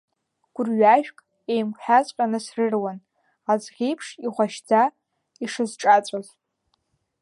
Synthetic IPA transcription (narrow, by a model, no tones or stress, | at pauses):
ɡ̥ʷʊrɥaʒᶣkʼ | e̞jmkʷʼħᶣat͡sʷʼqʲʼanɨsrɨrwan | azʁʲejpʰʂiʁʷaʃd͡za | iʂɨzʈ͡ʂʼat͡sʷʼaz